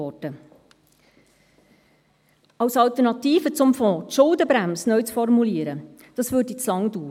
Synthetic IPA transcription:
ɔdə | ɑwsɑlt̪əɾnɑtiːfət͡sʊmfɔ̃ːt̪ʃʊldəbɾæmsnœʏt͡sfɔrmuliːəɾə | d̥ɑsʋøːɾdit͡slɑŋd̥uː

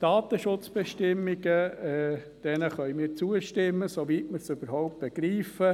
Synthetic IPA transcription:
d̥ɑːt̪əʃʊt͡sb̥ɛʃtɪmːiɡ̥əɛ | d̥ɛnəχœʏmɪːɾt͡suəʃtɪmːəsoviːtməɾsøb̥əɾhɔʊp̚t̚b̥ɛɡ̥ɾiːfə

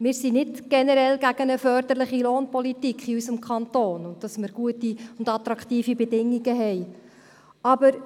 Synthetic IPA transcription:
mɪːɾsinɪdɡ̥ɛnɛɾɛlɡæɡ̥ənəfœɾd̪əɾlɪχiloːnpɔlitikχiysəmkʰɑntoːnʊnt̚d̥ɑsmɪɾɡ̥uətiʊndɑt̪ɾɑktiːfibɛdɪŋːiɡəɦɛj | ɑbəɾ

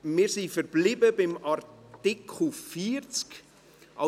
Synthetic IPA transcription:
mɪːɾsifɛɾb̥lɪbəbɪmɑɾtɪkʰl̩fiːɾt͡sk | ʔɑ̰

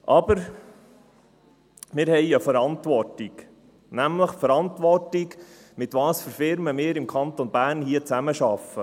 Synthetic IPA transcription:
ʔɑbəɾ | mɪːɾhɛjəfəɾɑntʋɔrtiɡ | næmləχfəɾɑnt̪ʋɔrtik | mɪt̪ʋɑːsføɾfɪɾməmɪːɾɪmkʰɑnt̪onb̥æːrnhiət͡sæməʃɑfə

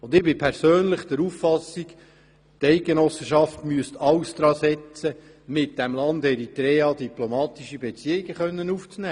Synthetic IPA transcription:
ʊnd̪ɪbɪpʰɛɾsøːnləχd̥̪ɛɾuffɑsik | tɛɪt̚ɡenɔsəʃɑftmyəst̪ɑwsd̪ɾɑːsɛt͡sə | mɪt̚d̥ɛmlɑnd̪ɛɾit̪ɾɛːɑd̪iplomɑːt̪iʃibet͡siəiɡəχœnːənuːft͡snæː

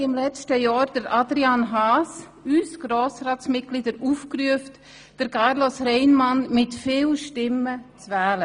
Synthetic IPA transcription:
ɪmlɛt͡stəjɔːɾd̥əɾʔadɾianɦaːs | ysɡ̥ɾoːsɾaːtsmɪt̚ɡ̥lidəɾufkryəft | d̥əɾkʰɑɾlosɾɛɪnmanmɪtfiːlʃtɪmət͡svɛːlə

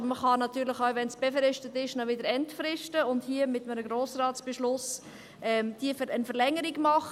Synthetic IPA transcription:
məχɑnɑt̪yːɾlɪχaʊʋɛnsb̥efɾɪʃtətɪʃnɔʋɪdəɾɛntfɾɪʃtəʊndhiəmɪt̪mənəɡɾoːsrɑːt͡sb̥eʃlʊs | ɛmd̥iːfəɾənfəlɛŋəɾiɡmɑχ

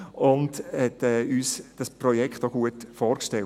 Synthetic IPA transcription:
ʊndhɛtɛːyːsd̥ɑspɾɔjɛkχtoɡuətfɔːɾkʃtɛl

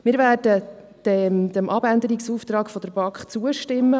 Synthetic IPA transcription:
mɪːɾvæːrd̥ə | d̪̥ɛmd̪əmʔɑbænd̪əɾiksuːft̪ɾɑːkfɔd̪əɾbɑkχt͡suəʃtɪmːə

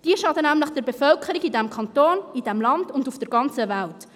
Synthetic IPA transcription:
d̥iəʃɑdənæmləχd̥əɾbefœlkʰəɾiɡidɛmkʰɑntoːnid̥ɛmlɑnd̥ʊndufd̥əɾɡɑnt͡səvælt

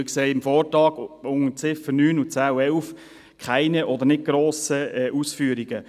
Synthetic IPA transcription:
əkseːɪmfɔːɾtɑːɡ̥ʊŋət͡sɪfənyːnut͡sæːuɛlf | kʰχaɪnəʔɔd̪əɾnɪt̚ɡ̥ɾoːsəɛʔusfyːɾiɡ̥ə

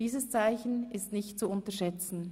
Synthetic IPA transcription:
iːzəst͡saɪçn̩ɪstnɪçtt͡suʊntəɐʃɛt͡sn̩

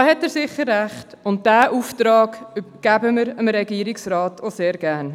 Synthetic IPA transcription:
ɑhɛtːɛːɾsɪχəɾːæχtʊnt̚d̥æːʔuːftɾɑːɡɡ̥æbəməɾəmɾɛɡiːɾiksɾɑːtʰoseːɾɡæːɾn

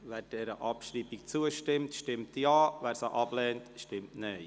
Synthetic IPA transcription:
ʋæːɾd̥ɛɾəʔɑpʃɾiːbikt͡suəʃtɪmtʃtɪmtjɑːʋæːɾsaʔɑb̥lɛːntʃtɪmtnɛɪ

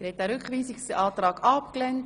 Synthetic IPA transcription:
ɛɾhɛtæɾʏkχʋiːsiksɑːt̪ɾɑːɡ̥ɑpklɛnt

